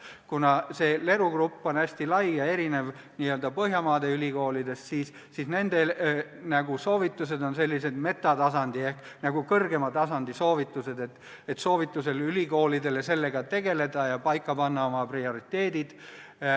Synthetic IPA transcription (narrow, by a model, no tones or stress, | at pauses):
kunɑse̞le̞ɾuɡrupːo̞næsʲt̪ilɑjjɑe̞ɾine̞v | niːøld̪ɑpɤɦjɑmɑːd̪̥e̞ylʲiko̞ːlid̪e̞ssiːs | sisne̞nd̪̥e̞ | næɡ̥uso̞ːvit̪ːˑuse̞d̪o̞nse̞lʲːise̞d̪̥me̞t̪ːˑɑt̪ɑsɑnd̪̥ie̞hk | nɑɡukɤrɡe̞mɑt̪ɑsɑnd̪iso̞ːvit̪ːˑuse̞d̪̥e̞t̪ː | et̪so̞ːvit̪ːˑuse̞lylʲiko̞ːlid̪e̞le̞se̞lːe̞ɡ̥ɑt̪e̞ɡ̥e̞le̞d̪̥ɑjɑpɑjkːˑɑpɑnːɑo̞mɑprio̞ɾit̪ːˑe̞ːd̪̥id̪̥